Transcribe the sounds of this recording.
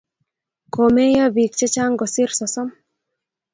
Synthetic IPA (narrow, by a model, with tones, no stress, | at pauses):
ko˨me˦ja˦bi˨k̚t͡ʃɛ˦t͡ʃa˦ŋɡɔ˨sɪ˦rsɔ˨sɔ˦m